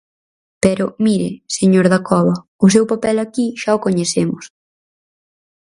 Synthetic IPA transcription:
pɛɾʊmiɾɪ̰seɲoɾðɐkɔβɐ | ʊs̬ewpapɛlakiʃaʊkoɲeθemʊs

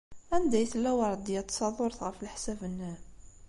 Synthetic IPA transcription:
ænd̪æjθlːæwɑɾˤd̪jæt̪ːsˤɑðˤʊɾˤəθɣəfəlħsævənːæ

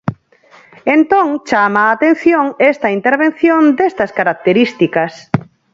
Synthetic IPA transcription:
ent̪õŋt͡ʃamaːt̪ẽn̟θjoŋest̪ɐint̪eɾβẽnθjõnd̪est̪ɐskaɾak̚t̪eɾist̪ikɐs

